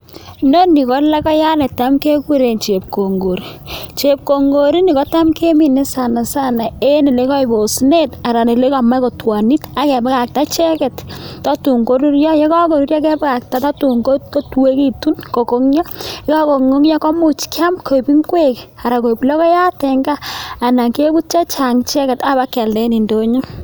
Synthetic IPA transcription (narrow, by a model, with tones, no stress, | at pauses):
no˦ni˨kɔ˨˦la˦kɔ˦ja˦nɛ˨ta˦mke˦ku˦ɾe˨nt͡ʃe˨p̚ko˨ŋɡo˨ɾi˨t͡ʃe˨p̚ko˨ŋɡo˨ɾi˦ni˨kɔ˦ta˦mke˦mi˨ne˦sa˨na˨sa˦na˨e˦ni˨le˨˦kɔ˦i˨bo˨sne˦ta˨ɾa˨ne˨le˦ka˨ma˦ko˨twa˨ni˦ta˨kɛ˨bka˨k̚ta˦t͡ʃɛ˦kɛ˨ttɔ˦tu˨ŋko˦ɾu˦ɾjɔ˦je˦kɔ˦ko˨ɾu˦ɾja˦kɛ˦bka˨k̚ta˨˦ta˦tu˨ŋko˦tko˦twe˦ki˦tu˦nko˨ko˦ŋjɔ˦i˦kɔ˦ko˨ŋo˦ŋjɔ˦kɔ˦mu˦t͡ʃkja˦mkʰo˨i˨pi˦ŋkwe˦ka˨ɾa˨ko˨i˨plɔ˦kɔ˦ja˦tɛ˨ŋɡaː˦˨na˨ke˦bu˦t̚t͡ʃa˦t͡ʃa˨ŋt͡ʃɛ˦kɛ˨ta˦ba˦kɛ˨ldɛ˦ni˨ndo˦ɲu˦